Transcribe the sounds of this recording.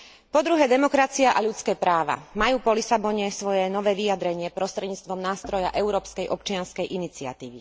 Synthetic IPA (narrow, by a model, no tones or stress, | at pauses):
pɔd̪ɾuɦɛːd̪ɛmɔkɾat͡siaʔaʎut͡skɛːpɾaːʋa̰majuːpɔlisabɔɲɛsʋɔjɛnɔʋɛːʋijad̪ɾɛɲɪɛpɾɔst̪ɾɛd̪ɲiːt͡st̪ʋɔmnaːst̪ɾɔja̰ʔɛʊɾɔːpskɛjʔɔp̚t͡ʃɪanskɛjʔinit͡sia̰t̪ḭːʋḭ